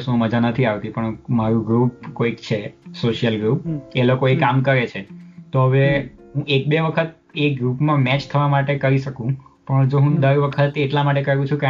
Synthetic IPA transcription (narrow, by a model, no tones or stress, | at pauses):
sũməd͡ʒanət̪ʰiaʋt̪ipəɳmaɾũɡɾup̚koikt͡ʃʰesoʃijəlɡɾupelokoekamkəɾet͡ʃʰet̪oɦəʋeɦũek̚beʋəkʰət̪̚ | eɡɾupmãmɛt͡ʃt̪ʰəʋamaʈekəɾiʃəkũpəɳd͡ʒoɦũd̪əɾʋəkʰət̪eʈlamaʈekəɾũt͡ʃʰũke